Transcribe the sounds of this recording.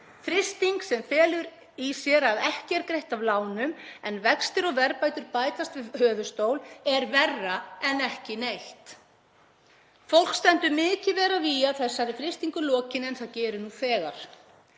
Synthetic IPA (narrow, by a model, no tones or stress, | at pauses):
fɾɪst̪iŋksɛmfɛːlʏɾ | isjɛɾavɛhcɪɛɾkɾejht̪avlaːwnʏmɛnvɛkst̪ʏɾɔɣvɛɾpaːjt̪ʏɾpaːjt̪ast̪vɪðhœːðʏst̪owlɛɾvɛrːaɛnɛhcɪnejht̪ | fowl̥kst̪ɛnt̪ʏɾmɪːcɪvɛːɾaviaðθɛsːaɾɪfɾɪst̪iŋkʏlɔːcɪnɛnθaðcɛːɾʏnuθɛːɣa̰ɾ̥